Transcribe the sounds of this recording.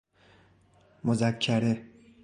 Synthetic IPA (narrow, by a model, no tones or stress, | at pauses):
mozækʰːæɾe